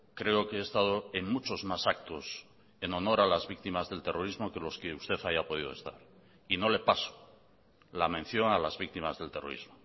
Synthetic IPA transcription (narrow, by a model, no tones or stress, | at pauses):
kɾe̞okeeːst̪að̞oeŋmut͡ʃo̞zmasak̚t̪o̞s | e̞no̞no̞ɾalazβik̚t̪imazðe̞lt̪e̞ro̞ɾizmo̞ke̞lo̞ske̞ust̪e̞θaʝapo̞ð̞ið̞o̞est̪a̰ɾ | ino̞le̞paso̥ | lamẽn̟θjo̞ŋalazβik̚t̪imazðe̞lt̪ero̞̰ɾḭzmo